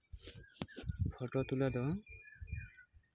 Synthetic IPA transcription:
pʰɔtɔt̪uladɔ

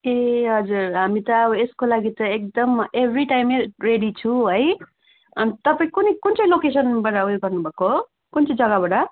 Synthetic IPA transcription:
eɦʌd͡zuɾɦamit̪ʌːbʌeskolaɡit̪ʌek̚d̪ʌmebʱɾiʈajmereɽit͡sʰũɦʌj | ʌnit̪ʌpaĩkunekunt͡sʌ̃j̃lokesʌnbaʈaujɡʌrnubʱako | kunt͡sʌ̃ĩd͡zʌɡabaʈʌ

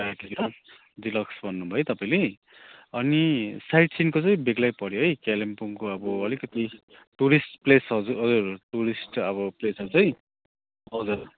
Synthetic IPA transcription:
akiɾʌ | d̪ilʌksbʱʌnːubʱʌjt̪ʌpaĩle | ʌnisajʈsinkot͡sʌj̃beɡlajpʌɾjoɦʌjkelempuŋkoʌbʌʌlikʌt̪i | ʈuɾisʈplesɦʌd͡zuɦʌd͡zurʈuɾisʈʌβʌplesʌɾt͡sʌj̃ | ʌd͡zur

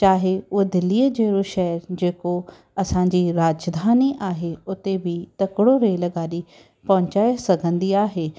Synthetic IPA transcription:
t͡ɕaːɦeʊed̪ɪlːiːəd͡ʑeːɾoʃɛɦəɾd͡ʑeːko | ɐsãd͡ʑiːɾaːd͡ʑd̪ʱaːniʔaːɦeʊt̪ebʱɪt̪ɐkɪɽoɾeːlɐɡaːɗi | pɐɦʊ̃t͡ɕaːjsɐɡʱə̃nd̪iaːɦeː

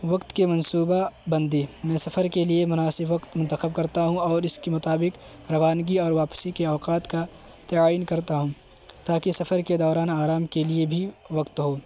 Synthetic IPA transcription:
ʋɐkt̪kemɐnsuːbabɐ̃nd̪emɛ̃ːsɐfəɾkeliemʊnaːsɪbʋɐkt̪mʊ̃nt̪əxəb̚kɐɾt̪aɦũɔːɾɪskemʊt̪aːbɪq | ɾɐʋaːnɡiɔːɾʋaːpsikeɔːqaːt̪ka | t̪ɪaːiːnkɐɾt̪aɦũ | t̪aːkesɐfəɾked̪ɔːɾaːnaːɾaːmkeliebʱiʋɐkt̪ɦoː

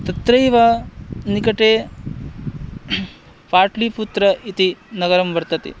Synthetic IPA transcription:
t̪ɐt̪ɾɐjʋanikɐʈeː | paːʈliput̪ɾɐʔit̪inɐɡɐɾɐmʋɐɾt̪ɐt̪ḭ

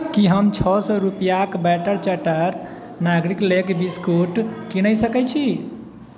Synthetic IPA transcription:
kiɦəmt͡ʃʰɔsɔɾupijakbɛʈəɾt͡ʃəʈəɾ | naɡɾiklekbiskoʈkiñəjsəkɛt͡ʃʰi

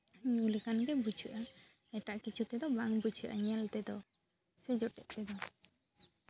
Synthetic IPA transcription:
ɲulikanɡɛbut͡ʃʰuʔa | ɛʈaʔkit͡ʃʰut̪ɛd̪ɔbaŋbut͡ʃʰuʔa̰ɲɛlt̪ɛd̪ɔ | sɛd͡ʒɔʈɛʔt̪ɛd̪ɔ

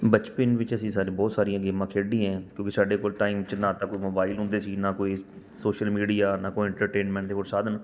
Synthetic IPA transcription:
bət͡ʃpɪnʋɪt͡ʃəsĩːsaːɾẽːbɔːt̪saːɾijãːɡeːmãːkʰeːɖiːɛ̃ːkjõːkɪsaːɖeːkoːlʈaːɪmʋɪt͡ʃnãːt̪aːkoːiːmoːbaːɪlɦʊ̃nd̪eːsiːnãːkoːiː | soːʃəlmiːɖijaːnaːkoːiɪ̃ɳʈəɾʈeːnmɛ̃ːɳʈd̪eːɦoːɾsaːd̪ən

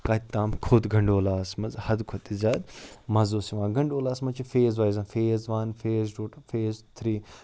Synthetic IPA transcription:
kɐtt̪ːaːmkʰod̪ɡʱɐɳɖoːlaːsmɐzhɐd̪kʰot̪izaːd̪mɐzoːsiʋãːɡɐɳɖoːlaːsmɐt͡ʃʰifeːzʋaːjzãːfeːzʋɐnfeːzʈoːʈfeːzt̪ʰɾiː

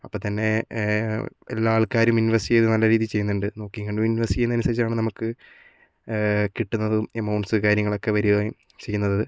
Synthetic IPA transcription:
ɐpːoːt̪ɐnːe̞ | elːaːɭkaːɾumuniʋɐrsiiejðɨnɐlːɐɾiːðit͡ɕe̞jːunːuɳɖɨno̞ːkːiŋɐɳɖɨmuniʋɐrsi̥ijunːɐnusɐɾit͡ɕːaːɳɨnɐmukːɨ | kiʈːunːɐðɨmemːɐwɳsɨkaːɾjɐŋːɐɭo̞kːe̞ʋɐɾuɣɐj | t͡ɕe̞jːunːɐðɐðɨ

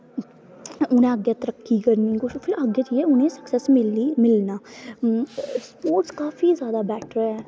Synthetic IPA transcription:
ʊnẽəɡjat̪əɾəkːiːkəɾnikʊʃpʰɪɾəɡet͡ʃiːɛʊnẽːsə̥ksɛsmɪlimɪlnaː | spoːɾʈskaːfiːzjaːd̪aːbɛːʈʰɾɛː

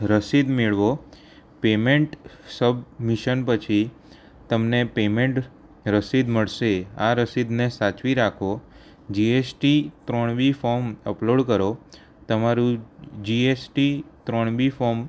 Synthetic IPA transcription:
ɾəsid̪meɭʋo | pemeɳʈsəbmiʃənpət͡ʃʰi | t̪əmnepemẽɳʈ | ɾəsid̪məɭʃeaɾəsid̪nesat͡ʃʋiɾakʰo | d͡ʒiesʈit̪ɾɔɳ̃bifɔɾməploɖkəɾo | t̪əmaɾũd͡ʒiesʈit̪ɾɔɳbifɔɾm

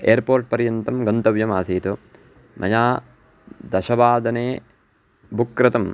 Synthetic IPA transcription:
ḛːɐɾpoːɾʈ̚pɐɾjɐnt̪ɐmɡɐnt̪ɐʋjɐmaːsiːt̪u | mʔɐ̰jaː | d̪ɐʃɐʋaːd̪ɐneː | bukɾɐt̪ɐm

